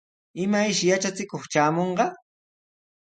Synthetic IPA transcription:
ɪmajʃɪjat͡ʃat͡sɪkoχt͡ʃaːmoɴɢɑ

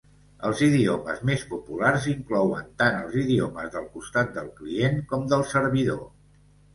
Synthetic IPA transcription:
əlˠziðiomə̰zmespupularziŋklɔwə̰nt̪anəlˠziðioməzðəlˠkust̪at̪̚d̪əlˠklienkɔmd̪əlˠsəɾβiðo

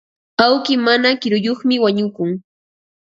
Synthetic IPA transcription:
awkɪmanakɪɾʊjoχmɪwaɲʊkʊŋ

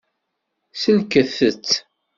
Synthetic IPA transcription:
səlkəθət͡sː

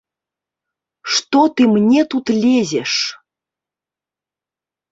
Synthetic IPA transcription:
ʂt̪ot̪ɨmnʲet̪ut̪lʲezʲeʂ

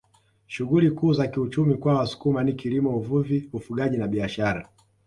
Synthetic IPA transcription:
ʃuɣulikuːzakiut͡ʃumikwawasu̥kumanikilimɔuvuviufuɠaʄinaɓiaʃaɾa

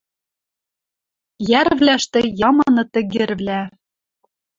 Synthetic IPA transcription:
jæɾvlæʃt̪ĕjɑmɤnɤ̆t̪ɘ̆ɣĕɾβlæ

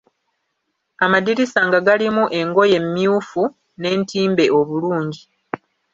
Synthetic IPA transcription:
amadiɾisaŋɡaɡalimuʔe̞ŋɡo̞je̞mːjuːfu | ne̞ːntiːmbe̞ʔo̞βuluːɲɟi

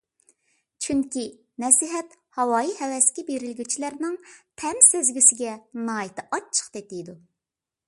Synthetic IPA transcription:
t͡ʃʰyŋkʲi | nɛsiɦɛt̪hɑwɑːjihɛwɛskʲɛbeɾɪlɡʲyt͡ʃʰilæɾnɪŋt̪ʰɛmsɪzɡʲisɪɡʲɛnɑːjit̪ʰɨʔɑt͡ʃʰːə̥χt̪et̪ɪjd̪u

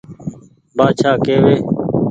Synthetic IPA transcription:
baːt͡ʃʰaːkeːʋeː

